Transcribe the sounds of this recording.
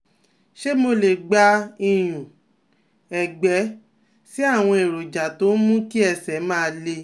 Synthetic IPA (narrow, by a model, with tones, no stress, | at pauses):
ʃe˦mo˧le˨ɡ͡ba˧ĩ˧j̃ũ˨ | ɛ˨ɡ͡bɛ˨˦ | si˦a˦˨w̃ɔ̃˧e˨ɾo˨d͡ʒa˨to˨˦mũ˦ki˦ɛ˧sɛ˨˦mãː˦˧le˧